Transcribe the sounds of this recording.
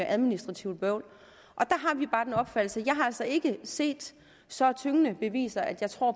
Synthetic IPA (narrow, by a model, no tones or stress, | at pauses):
ʔæð̞ˠminisd̥ʁɑ̈t͡sʰiʊb̥œʊ̰l | ʔɒ̽d̥ɑ̈ɦɑ̈ʋib̥ɑ̈ːd̥enɒ̽b̥fæd̥l̩səjɑ̈ɪɦɑ̈æl̰sɒ̽e̝ɡ̥əse̝̰ːd̥ | sɒ̽t͡sʰøŋənəb̥e̝ʋḭːsɐʔæd̥jɑ̈ɪt͡sʰʁo̝ɐ̰